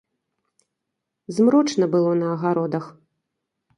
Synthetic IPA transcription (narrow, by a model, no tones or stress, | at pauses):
zmɾɔt͡ʂnɐbɨlˠɔnɐːɣaɾɔd̪ɐx